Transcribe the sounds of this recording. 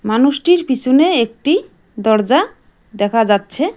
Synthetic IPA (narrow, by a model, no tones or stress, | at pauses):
manuʃʈiɾpit͡ɕʰuneek̚ʈi | d̪ɔɾd͡ʑa | d̪ɛkʰad͡ʑatːɕʰe